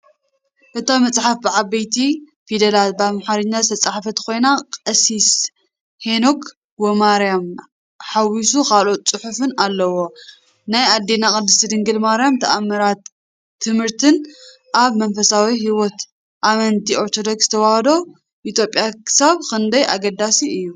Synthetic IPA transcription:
ʔɨt̪ʰamɐt͡sʼħafbɨʕaβɐjt̪ʰi | fid̪ɐlat̪̚baβmħaɾɨɲːazɨt̪ʰɐt͡sʼaħfɐt̪kʰo̞jnakʼɐsis | henokʰ | womaɾjam | ħawisukʰalʔo̞t̪̚t͡sʼɨħufɨnalːɐwo | najad̪ːenakʼɨd̪ːɨst̪ʰɨd̪ɨŋɡɨlmaɾjamt̪ʰɐʔamːɐɾat̪ʰː | ɨmhɨɾt̪ʰɨn | ʔaβmɐnfɐsawihiwɔt̪ | ʔamɐnt̪ʰio̞ɾt̪ʰo̞d̪o̞ksz̥ɨ̥t̪ʰɐwahɐd̪o̞ | ʔit̪ʰjo̞pʼːjakʰɨ̥saβkʰɐnd̪ɐja̰ɡɐd̪asiʔɨjːu

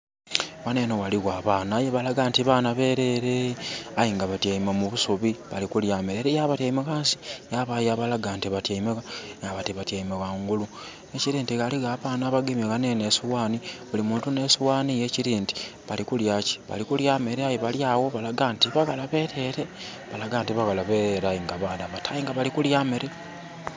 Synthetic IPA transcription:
wane̞nowaliɣwaːβaːnaːjeβalaɡantiβaːnaβe̞ːɾe̞ɾeajiŋɡaβatjaimamuβusoβiβa̰likuljaːmeɾeɾejaːβatjaimeɣaːnsi̥jaβajaβalaɡaːntiβatjaimeɣaŋɡaβatiβatjaimeɣaŋɡulu | neciɾiːntiɣaliɣaːβaːnaβaɡemeɣanenesiwaːniβulimuːntune̞siwaːnijeciɾiːnti̥βalikuljaci̥βa̰likuljaːmeɾeajiβaljaːwo̞βalaɡaːntiβaɣalaβe̞te̞ːɾe | βalaɡaːntiβaɣalaβeɾajiŋɡaβadaβatajiŋɡaβalikuljameɾe

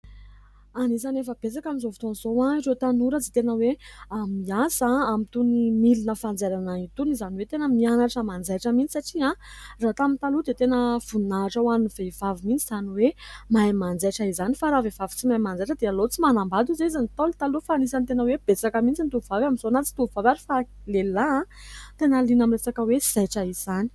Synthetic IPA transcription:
anis̬anefəb̥et͡sakamizovu̥t̪onzoãiret̪anuɾat͡sit̪enəweamiasaamit̪unimilinəfand͡zeɾanait̪unizaniwet̪enəmianaʈ͡ʂəmand͡zajʈ͡ʂəmint͡sisaʈ͡ʂiãrat̪amint̪alud̪et̪enəv̥unaʈ͡ʂawaniniv̥eivavimint͡siz̥aniwemajmand͡zaʈ͡ʂaizanifaɾavevavi̥t͡simajmand͡zaʈ͡ʂəd̪ealot͡simanambad̪izeizanit̪olt̪alufanisant̪enəweb̥et͡sakəmint͡sint̪uvuvavamizonat͡si̥t̪uuvavaɾifa | lelaãt̪enalinamiresakəwez̥ajʈ͡ʂaiz̥ani̥

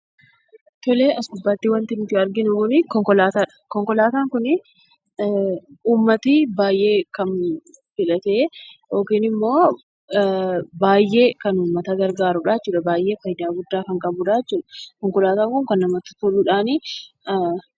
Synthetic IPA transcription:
t̪ɔleːʔɐsɡʊbːaːt̪ːiːwɐnt̪ɪnʊt̪ɪɐɾɡɪnʊkʊnɪkɔŋkɔlaːt̪aːᶑɐ̥kɔŋkɔlaːt̪aːŋkʊnɪ | uːmːɐt̪ibaːjʔe̞ːkɐnfɪlɐt̪eːjo̞ːkiːnɪmːo̞ː | baːjʔe̞ːkɐnuːmːɐt̪ɐɡɐɾɡaːɾʊᶑaːɛt͡ʃːuːᶑɐbaːjʔe̞ːfɐjd̪aːɡʊd̪ːaːkɐŋkʼɐbʊᶑaːɛt͡ʃːuːᶑɐ̥kɔŋkɔlaːt̪aːŋkʊŋkɐnːɐmɐt̪ːʊ̥t̪ʊlːʊᶑaːni

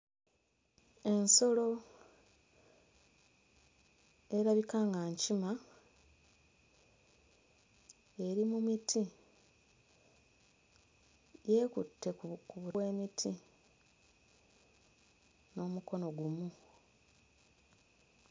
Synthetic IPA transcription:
e̞nso̞lo̞ | e̞ɾaβikaːŋɡaɲcima | e̞ɾimumitʰi | je̞ːkutʰːe̞kuβuwe̞ːmitʰi | no̞ːmuko̞no̞ɡumu

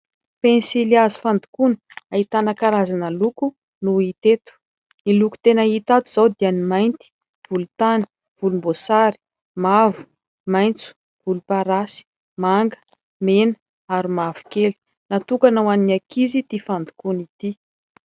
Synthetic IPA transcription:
pensiliazu̥fand̪u̥kuni̥ait̪anakaɾazanəluku | nuit̪et̪u̥ | iluku̥t̪enəit̪at̪uz̥awd̪ianimajnt̪i̥ | v̥ulut̪ani̥ | v̥ulumbosaɾi̥ | mavu̥ | majnt͡su̥ | v̥ulupaɾasi̥ | maŋɡə̥ | menə̥ | aɾimavu̥keli̥ | nat̪ukanawaninakizid̪̥ifand̪u̥kunit̪i

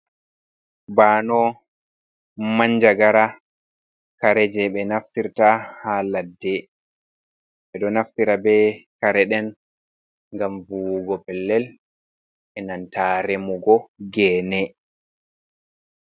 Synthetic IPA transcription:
baːnɔ | maɲd͡ʒaɡaɾa | kaɾɛd͡ʒɛɓɛnaftiɾtahaladːɛ | ɓɛɗɔnaftiɾabɛkaɾɛɗɛn | ŋɡamvuɡɔpɛlːɛl | ɛnantaɾemuɡɔɡɛːnɛ

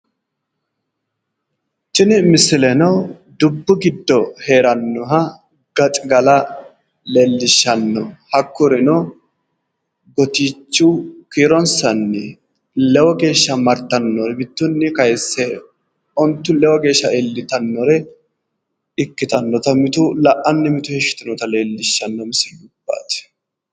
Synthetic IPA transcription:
t͡ʃːɪnɪmɪsɪlɛnɔw | d̪ʊbːʊɡɪd̪ːɔheːɾɐnːɔɦɐ | ɡ̥ɐt̪ʼɪɡɐlɐ | lɛlːɪʃːɐnːɔhɐkːʊɾɛnɔ | ɡɔt̪iːt͡ʃːʊkiːɾɔnsɐnːɛ | lɛwɔɡe̞ːʃːɐmɐɾt̪ːɐnːɔɾɛbɪt̪ːʊnːɪkɐjsːɛ | ɔnt̪ːʊlɛwɔɡe̞ːʃːɐʔelːɪt̪ɐnːɔɾɛ | ɪkːɪt̪ɐnːɔt̪ɐmɪt̪ʊlɐʔɐnːɪmɪt̪ʊhɛʃːʊ̥t̪ɪnɔt̪ɐle̞ːlːɪʃːɐnːɔmɪsɪʊb̥ːa̰ːt̪ɛ̥

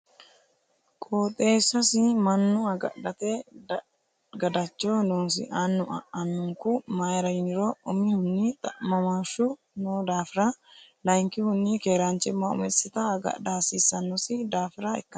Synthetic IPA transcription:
kʼoːt̪ʼeːsːɐsɪmɐnːʊɐɡɐ̰ᶑɐt̪ed | ɡɐd̪ɐt͡ʃːoːnoːns̬ɪ̰ʔaːnːʊɐ̰ʔɐnːʊŋkumaːjɛɾɐjɪnɪɾoːɔmihʊnːit̪ɐmɐmaʃu | noːd̪aːfɪɾalɐjŋkɪhʊnːikeːɾaːnt͡ʃɛmːaʊ̰mɛsɪt̪aːɡɐ̰daɐsiːsːɐnːɔsɪd̪aːfɪɾaɛ̰kːɐ

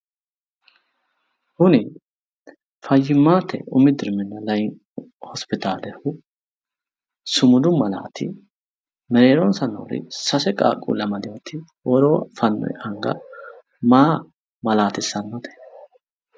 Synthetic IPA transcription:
hʊnɪ | fɐjːɪmːaːt̪ʰːɛ̰ʔʊmɪd̪ɪɾmɪnːɐlɐj | hɔspɪt̪aːlɛhʊ | sʊmʊd̪ʊmɐla̰ːt̪ʰɪ | mɛɾeːɾɔnsɐno̰ːɾɪ̰sɐsɛkʼa̰ːkʼṵːlɐmɐd̪ɪjɔt̪ʰɪ | wɔɾoːfɐnːɔ̰jhɐŋɡɐ̰ | maː | mɐlaːt̪ɪsːɐnːɔt̪ɛ̥

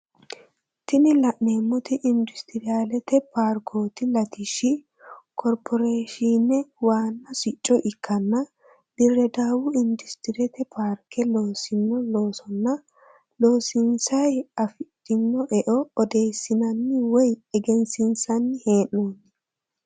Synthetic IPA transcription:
t̪ɪnɪlɐʔeːmːʊt̪ɪʔɪnd̪ʊst̪ɪɾɪaːlɛt̪ɛpaɾkʰo̞ːt̪ɪlɐt̪ɪʃɪ | kʰɔɾpʰɔɾeːʃiːnːɛwaːnːɐsɪt͡ʃʼːɔʔɪkʰːɐnːɐ | d̪ɪrːɛd̪aːwʊɪnd̪ʊst̪ɪɾɛt̪ɛpʰaːɾkɛlo̞ːsɪnːɔlo̞ːsɔnːɐ | lo̞ːsɪnsɐjɐfɪtʼːɪnːɔʔɛʔɔɔd̪e̞ːjsːɪnɐnːɪwɔjɛɡɛnsɪnsɐnːɪhe̞ːnːoːnːɪ

